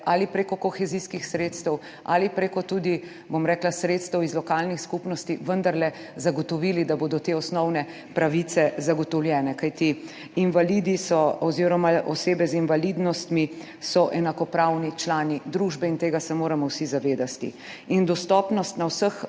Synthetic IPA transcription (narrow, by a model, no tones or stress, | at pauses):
alipɾekɔkɔxɛziskixsɾeːt̪st̪ɛw | a̰lipɾekɔt̪ud̪i | bomɾɛːklasɾeːt̪st̪ɛwizlɔkalnixskupnɔst̪iʋənd̪aɾlɛ | zaɡɔt̪ɔʋiːlid̪aboːd̪ɔt̪eːɔsnɔwnɛ | pɾaʋit̪sɛzaɡɔt̪ɔwljɛːnɛkajt̪iː | nʋalid̪isɔɔziɾɔmaʔɔseːbɛzinʋalid̪nɔst̪mi | sɔʔɛnakɔpɾawnit͡ʃlaːnid̪ɾuʒbɛint̪eːɡasɛmoːɾamɔwsizaʋeːd̪at̪ḭ | ind̪ɔst̪ɔːpnɔst̪nawsəx